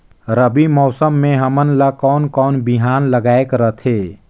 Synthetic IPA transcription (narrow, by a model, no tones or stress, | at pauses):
ɾəbimɔːsəmːeɦəmənləkɔnkɔːnbiɦanləɡaekɾət̪ʰe